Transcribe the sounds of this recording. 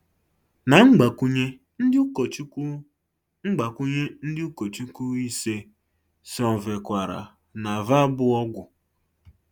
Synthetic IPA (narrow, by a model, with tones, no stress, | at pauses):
na˨ŋ͡m̩˦ɡ͡ba˨ku˦ɲe˦ | n̩˦˨t͡ʃ | ŋ͡m̩˦ɡ͡ba˨ku˦ɲe˦n̩˦dɪ˦u˦ko˨t͡ʃu˦ku˦i˦se˦ | sɔ˨ve˨kʷa˨ɾa̰˨ | na˨va˦bʊ˦ɔ˦ɡʷʊ˨